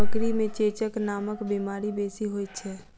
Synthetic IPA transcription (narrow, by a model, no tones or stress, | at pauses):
bəkɾimẽt͡ʃeːt͡ʃəknaːməkbimaːɾibeːsiɦoːjtt͡ʃʰɛː